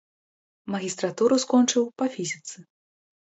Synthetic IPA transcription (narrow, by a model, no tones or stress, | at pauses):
mɐɣʲist̪ɾat̪uɾuskɔnt͡ʂɨwpɐfʲizʲit̪sɨ